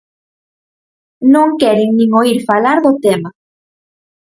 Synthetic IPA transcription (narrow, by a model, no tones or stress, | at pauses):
nõŋkɛɾɪŋnĩŋoiɾfalaɾðot̪ema